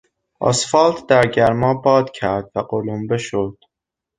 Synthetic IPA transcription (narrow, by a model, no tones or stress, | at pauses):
ʔɒ̰sfɒːlt̪ʰd̪æɾɟæɾmɒːbɒːd̪̥cʰæɾd̪̥væɢolombeʃod̪̥